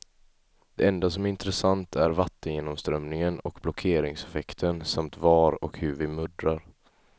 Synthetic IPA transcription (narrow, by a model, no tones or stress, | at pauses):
d̪̥ɛɛnd̪asɔmɪnt̪ɾɛsant̪ʰæɾvat̪ːənjeːnɔmst̪ɾœmnɪŋənɔkblɔkʰeːɾɪŋsɛfɛkt̪ʰənsamt̪vɑːɾɔ̰khɵɾvɪmɵd̪ɾaɾ